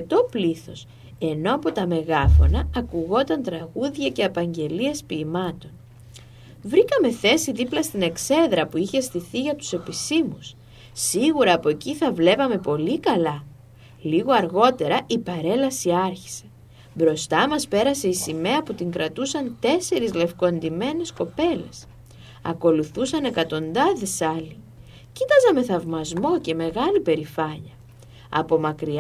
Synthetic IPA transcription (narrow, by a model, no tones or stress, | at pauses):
t̪o̞pliθo̞̰s | e̞no̞ɐpo̞t̪ɐme̞ɣɐfo̞̰nɐːkuɣo̞t̪ɐnt̪ɾɐɣuðʝɐce̞ɐpɐɲɟe̞lie̞spiːmɐt̪o̞n | vɾikɐme̞θe̞siðiplɐst̪ine̞kse̞ðɾɐpuiçest̪iθiʝɐt̪u̥se̞pisimusː | iɣuɾɐːpo̞eciθɐvle̞pɐme̞po̞likɐlɐ | liɣo̞ɐɾɣo̞t̪e̞ɾɐʔipɐɾe̞lɐsiɐɾçi̥se̞̥ | bɾo̞st̪ɐmɐspe̞ɾɐse̞isime̞ɐput̪iŋkɾɐt̪usɐnt̪e̞se̞ɾizle̞fko̞nd̪ime̞ne̞sko̞pe̞le̞̰s | ɐ̰ko̞luθusɐne̞kɐt̪o̞nd̪ɐðe̞sɐli | cit̪ɐzɐme̞θɐvmɐzmo̞ce̞me̞ɣɐlipe̞ɾifɐɲɐ | ɐ̰po̞mɐkɾi